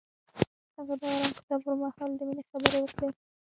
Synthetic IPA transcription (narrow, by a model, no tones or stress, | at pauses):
haɣad̪ɑwaɾɑmkɪ̥t̪ɑbpəɾmɑhɑld̪əminexabəɾewəkɽe